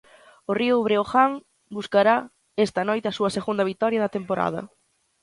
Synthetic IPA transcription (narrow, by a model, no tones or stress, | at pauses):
ʊriʊβɾeoxaŋ | buskaɾa | est̪ɐnɔjt̪eɐsuɐseɣund̪ɐβit̪ɔɾjɐðɐt̪empoɾa̰ð̞ɐ̰